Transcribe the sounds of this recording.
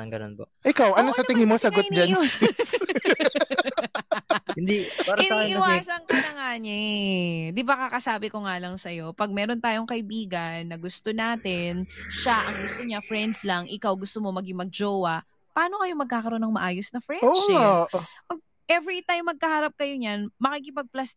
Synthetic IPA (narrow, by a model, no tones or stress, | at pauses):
ɐŋɡɐ̰no̰npo̰ | ʔɪkawʔɐnosɐt̪ɪŋɪmosɐɡotn̚d͡ʒan | ɪnd̪ipaɾɐnawasɐŋkɪnɐŋaːɲɛ | d̪ɪbakakɐsaːbɪkoŋaːlɐŋsɐjo̞pɐɡ̚mɛːɾo̞nt̪aːjoŋkɐʔɪbiːɡɐnːɐɡʊst̪onaːt̪ɪnʃaʔɐŋɡʊst̪oɲafɹɛnd̪slɐŋʔɪkawɡʊst̪omo̞mɐɡɪŋmɐɡ̚d͡ʒowɐ | pɐʔaːno̞kɐjomɐɡ̚kaːkɐɾo̞nɐŋmɐʔaːjosnɐfɹɛno | pɐɡ̚ | ʔɛvɾit̪ajmːɐɡ̚kɐhaːɾɐp̚kɐjoɲanmɐkik̬ɪpɐɡ̚plɐs